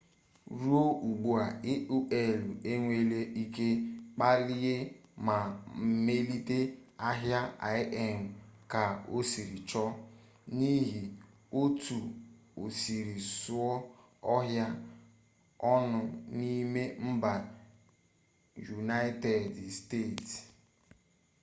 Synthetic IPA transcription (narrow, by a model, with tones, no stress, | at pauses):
ɾu˦o˦u˨ɡ͡bu˨a˨ɪ˦u˦ʔe˨lu˨e˦ŋʷe˦le˦i˦ke˦k͡pa˦li˦ɣe˦ma˨m̩˨me˦li˦te˦a˦ɦja˦a̰˨˦ʔɛ˦m̩˨ka˨o˦si˨ɾi˨t͡ʃɔ˦ | ni˦ɦi˨ | o˦tu˨o˨si˨ɾi˨sʊ˦ɔ˦ | ɔ˦ɦja˦ | ɔ˦nʊ˦ni˦me˦m̩˦ba˨ | ju˨na˦ɪ˦te˨dsteː˦˨t